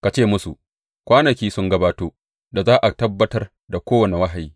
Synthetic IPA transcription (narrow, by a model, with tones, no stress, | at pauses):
ka˨t͡ʃeː˦˨mʊ˦su˨ | kʷaː˦nɐ˨kʲiː˦sʊ˦ŋɡɐ˦baː˦toː˦ | da˨zaː˦ʔa˨tɐ˦bːɐ˦tɐ˦r | da˨kʷoː˦wɐ˨ne˨wɐ˦ɦa˨jiː˦